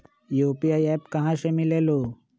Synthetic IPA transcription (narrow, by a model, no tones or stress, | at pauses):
joːpijaːiɛːpkɐɦãsemɪleːloː